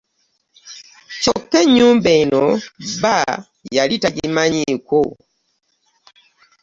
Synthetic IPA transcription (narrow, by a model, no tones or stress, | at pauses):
t͡ʃɔkːɛɲuːmbeinoba | jalitaɟimaɲiko